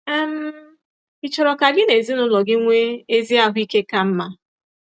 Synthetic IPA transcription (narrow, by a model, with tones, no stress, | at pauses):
m̩˦ | ɪ˨t͡ʃɔ˨ɾɔ˨ka˨ɡɪ˦ne˨zi˦nʊ˦lɔ˨ɡɪ˦ŋʷe˦e˦zi˦a˦ɦʊ˦i˦ke˦ka˦m̩˦ma˦